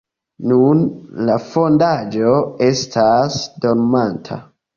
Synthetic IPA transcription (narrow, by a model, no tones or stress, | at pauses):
nunlafo̞ndad͡ʒo̞e̞stʰasdo̞ɾmantʰa̰